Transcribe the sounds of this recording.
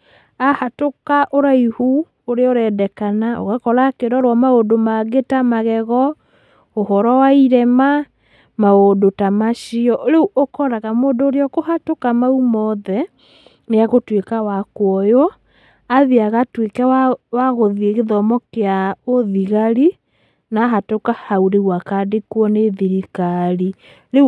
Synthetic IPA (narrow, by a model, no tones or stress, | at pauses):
ahatokaʔoɾaihu | oɾeɔɾɛdɛkanao̰ɣakɔɾakeɾɔɾwamaodomaɣetamaɣɛɣɔ | ohɔɾɔwaiɾɛma | maodotamaʃiɔʔoɾeuʔokɔɾaɣamoːdoːɾeɔkohatokamaumɔðɛ | neaɣotwekawakwɔjɔ | aðiaɣatwekɛawaɣoðieɣeðɔmɔkeaoðiɣaɾi | naːɦatokahauɾeɣwakaːdekwɔneðiɾikaɾi | ɾe